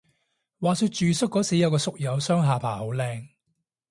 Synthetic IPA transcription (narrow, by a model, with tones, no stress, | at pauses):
waː˨syː˧t̚t͡ʃyː˨sʊ˥kːɔː˨˥siː˨˥jɐ˨˧wkɔː˧sʊ˨k̚jɐ˨˧wsœː˥ŋɦaː˨˧pʰaː˨˩ho˨˥wlɛː˧ŋ